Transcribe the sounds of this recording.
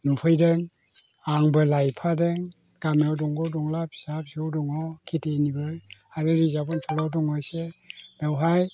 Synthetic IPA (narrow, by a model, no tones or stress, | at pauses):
nupʰɯjdɯŋ | aŋbɯlajpʰadɯŋ | ɡ̥amewdɔŋɡɔdɔŋlapʰi̥sapsewdɔŋɔkʰitenibɯɾaɾɯɾizabɔntʰɔlawdɔŋɔjsebawɦaj